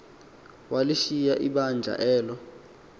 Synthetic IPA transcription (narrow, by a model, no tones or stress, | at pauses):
waliʃijaʔiɓand͡ʒʱa̰ʔɛːlɔ